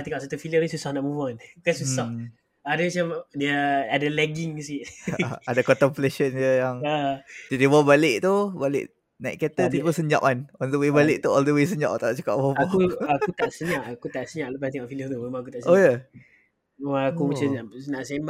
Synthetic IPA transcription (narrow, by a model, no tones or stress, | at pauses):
t̪iŋɔʔs̬at̪ufiliərnisusahnaʔmuvankasusah | adamat͡ʃamdiəadalɛɡiŋsiʔadakɔnt̪əmpleʃənd͡ʒəjaŋad͡ʒədibɔbalɪʔt̪ubalɪ̰ʔ | naʔkat̪ət̪it̪pəsəɲd͡ʒa̰ʔanɔldəwebalɪʔt̪uɔldəwes̬əɲd͡ʒa̰ʔt̪aʔt͡ʃə̥ka̰ʔ̚bɔbuakut̪aʔsəɲaʔakut̪aʔsəɲaʔləp̬at̪iŋɔʔfilət̪umemaŋak̬ut̪aʔsoja | aakumat͡ʃanaʔsem